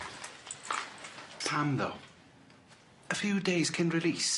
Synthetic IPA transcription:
pʰãmðo̰ | əfjʉːdeɪz̥kʰə̃nɹɪliˑs

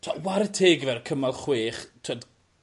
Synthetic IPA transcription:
tʰawaɾətʰeːɡvɛrkʰəmalˠχweːχtʰod

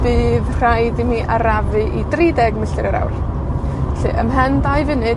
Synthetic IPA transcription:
b̥ɨːðrrajdimiʔaɾavɨʔidridɛɡməɬɨɾəɾa̰wr | ɬḭʔəmɦɛndajvɪnɨ

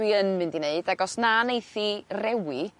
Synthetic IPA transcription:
iənmɨ̃ndineɨd̥aɡɔsnanejθirɛwi

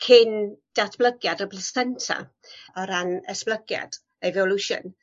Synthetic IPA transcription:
kʰɪnd̥atb̥lˠəɡjadəblɛsɛntʰa̰ | ɔɾanɛsb̥ləɡja̰d̥ | ɛvɔluʃə̰n

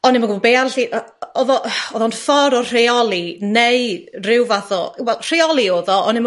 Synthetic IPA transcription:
ɔnɪməɡəɔbeːarɬiʔ | ɔðɔʔɔðɔnfɔɾɔr̥eɔlˠineɨrɪwvaθɔwɛlˠr̥eɔlˠioːðɔɔnɪm

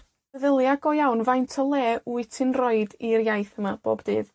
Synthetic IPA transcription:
əðəlˠjaɡɔjawnvajntʰɔlˠɛːʔuɨtʰɨnrɔɨdirjajθəmab̥o̰ːbdɨːð

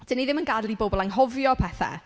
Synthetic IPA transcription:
d̥ɪniðɪmənɡadlˠibobɔlˠanɦɔvjɔpʰɛθa̰

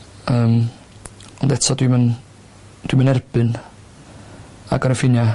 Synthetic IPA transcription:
əːm | ɔndɛtʰɔdwimən | d̥wimənɛrb̥ɨn | aɡəɾəfɪnja

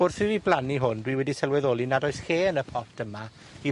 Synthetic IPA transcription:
orθɪviblˠaniɦʊndwiwɛdisɛlˠwɛðoːlˠinadɔɨsheːnəpʰɔtʰəma | i

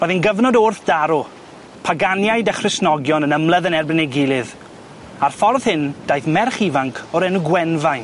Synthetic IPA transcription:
rɔðinɡəvnɔdoːrθd̥aɾʊ | pʰaɡanjajdəχrɪsnɔɡjɔnənəmlˠəðənɛrbɪnɛɡɪlˠɨð | arfɔrð̥hɪnd̥ajθmɛrχivaŋkʰɔɾɛnuɡwɛnvajn

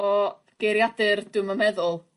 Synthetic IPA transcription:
ɔ | ɡ̥eɾjadɨrdɨməmɛðʊlˠ

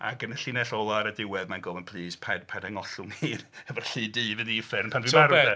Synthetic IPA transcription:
a̰ɡənəɬɪnɛɬɔlˠaɾədɪwɛðmanɡɔvənpʰl̥ˠiːspʰadpʰadaŋɔɬʊŋhiːnɛvɔɬiːdiːvɨðifɪrmpʰanvɪarɛɛ

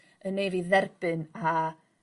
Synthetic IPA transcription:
ənejviðɛrb̥ɨna

